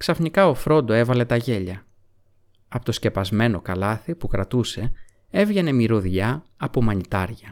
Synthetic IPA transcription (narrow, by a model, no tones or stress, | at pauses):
ksɐfnikɐo̞fɾo̞nd̪o̞e̞vɐle̞t̪ɐʝe̞ʎɐ | ɐpot̪o̞sce̞pɐzme̞no̞kɐlɐθipukɾɐt̪use̞ | e̞vʝe̞ne̞miɾoðʝɐːpomɐnit̪ɐɾʝɐ